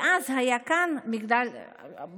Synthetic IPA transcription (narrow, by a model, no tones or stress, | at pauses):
azhajakanmiɡd̪al